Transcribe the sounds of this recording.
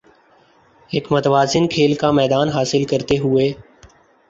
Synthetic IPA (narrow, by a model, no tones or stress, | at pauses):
eːkmət̪ʋaːzɪnkʰeːlkaːmɛːd̪aːnɦaːsɪlkəɾt̪eːɦʊeː